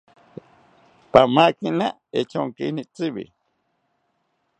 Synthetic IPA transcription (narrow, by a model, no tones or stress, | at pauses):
pamakinaet͡ʃoŋkinit͡siβḭ